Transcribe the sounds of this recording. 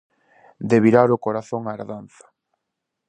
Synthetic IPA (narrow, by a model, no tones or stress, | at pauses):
d̪eβiɾaɾʊkoɾaθoŋaːɾðanθḁ